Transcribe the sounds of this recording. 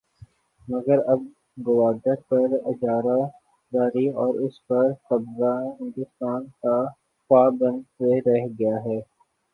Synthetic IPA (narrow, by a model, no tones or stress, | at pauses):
mɐɡəɾɐb̚ | ɡʊʋaːd̪əpɐɾɪd͡ʒaːɾa | d͡ʒaːɾiɔːɾʊspɐɾkɐbzaɦɪ̃nd̪ʊst̪aːnka | paːbɐ̃nd̪seɾɛɦɡɐjaɦɛː